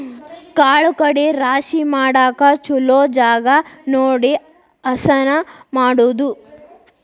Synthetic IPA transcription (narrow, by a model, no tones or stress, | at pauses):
kaːɭukɐɽeɾaːʃimaːɽaːkɐt͡ʃuloːd͡ʒaːɡɐnoːɽi | ɐsɐnɐmaːɽuːd̪u